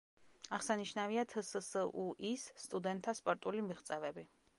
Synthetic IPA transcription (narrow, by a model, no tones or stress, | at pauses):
aʁsaniʃnaviat̪ʰəsəsəʔuʔisːt̪ʼud̪ɛnt̪ʰːaspʼɔɾt̪ʼulimiχt̪sʼɛvɛbi